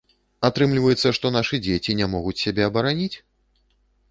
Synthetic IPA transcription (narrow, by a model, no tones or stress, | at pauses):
at̪ɾɨmlʲivɐjɛt̪sːɐʂt̪ɔnaʂɨd͡zʲet͡sʲinʲɛmɔɣut͡sʲsʲabʲɛɐbɐɾanʲit͡sʲ